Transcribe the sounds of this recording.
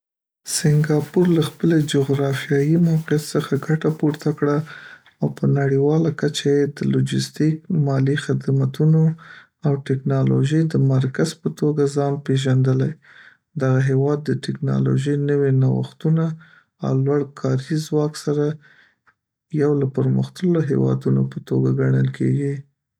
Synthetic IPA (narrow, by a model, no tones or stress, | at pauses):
sɪŋɡɑpuɾlaxpəled͡ʒoɣɾɑfjɑjimawqjat̪səxaɡaʈapuɾt̪akɽaː | wpənaɽiwɑlakat͡ʃajed̪əlod͡ʒɪst̪ik̚mɑlixɪd̪mat̪uno | awʈɪknɑlo̰ʒəjd̪əmaɾkazpət̪oɡazɑnpeʒand̪əlaj | d̪aɣaɦewɑd̪ːəʈɪknɑ̰lo̰ʒəjnəwenawa̰xt̪una | a̰wlwaɽkʰɑɾizwɑksaɾa | jawlapəɾmə̰xt̪əloɦḛwɑ̰d̪unopət̪oɡaɡaɳəlkʰḛɡi